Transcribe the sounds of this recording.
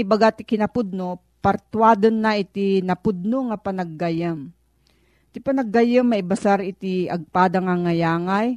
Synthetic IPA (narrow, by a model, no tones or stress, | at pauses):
ibaɡat̪ɪkɪnɐpʊd̪̚no | pɐɾt̪waːd̪onːaʔɪt̪inɐpʊd̪̚noŋapɐnɐɡːajɐm | t̪ɪpɐnɐɡajəmːaɪbasaɾɪt̪iɐɡ̚paːd̪aŋaŋajaːŋaj